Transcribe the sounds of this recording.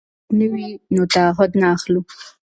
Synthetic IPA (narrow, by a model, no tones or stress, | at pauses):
nəwinot̪aaɦʊd̪naːxlu